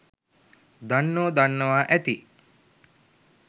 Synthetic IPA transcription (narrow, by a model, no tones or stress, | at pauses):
d̪anːoːd̪anːəʋaːʔæt̪i